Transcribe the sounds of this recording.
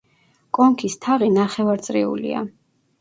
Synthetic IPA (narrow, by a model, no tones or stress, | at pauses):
kʼɔŋkʰist̪ʰaʁinaχɛvaɾt̪sʼɾḭṵlḭa̰